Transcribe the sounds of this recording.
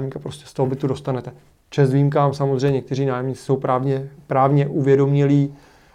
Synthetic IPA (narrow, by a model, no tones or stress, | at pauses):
mɲiːkapɾoscɛ̥st̪oɦobɪt̪udo̞st̪anɛt̪ɛ | t͡ʃɛzviːmkaːmsamozr̝ɛjɲɛkt̪ɛriːnaːjɛmɲit͡sɪ̥so̞wpɾavɲɛpɾaːvɲɛʔuvjɛdo̞mɲɪliː